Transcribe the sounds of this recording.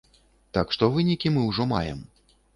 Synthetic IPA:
t̪akʂt̪ɔvɨnʲikʲimɨwʐɔma̰jɛ̰m

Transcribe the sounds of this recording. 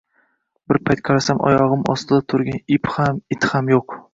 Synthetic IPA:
bɪɾpʰajt̪̚qʰɑɾasamʔɒ̰jɒʁɨmɒ̰st̪ɪd̪at̪ʰʊɾɡʲanɪphamɪt̪ʰhamjoq

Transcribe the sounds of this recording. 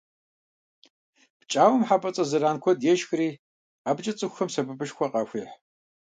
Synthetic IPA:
pt͡ʃʼaːwɐmħabɐt͡sʼɐzɨɾaːnkʷʰɔdjɛʃxriː | aːbt͡ʃʼɐt͡sʼɨxʷxɐmsɐbɨbɨʃkʷɔqɑxʷiːħ

